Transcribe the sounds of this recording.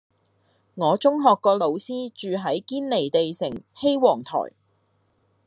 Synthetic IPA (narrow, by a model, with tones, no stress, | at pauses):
ŋɔː˨˧t͡sʊ˥ŋɦɔː˨kːɔː˧lo˨˧wsiː˥t͡ʃyː˨ɦɐ˨˥jkiː˥nle˨˩jt̪e˨jsɪ̰˨˩ŋhe˥jwɔː˨˩ŋt̪ʰɔ̰ː˨˩j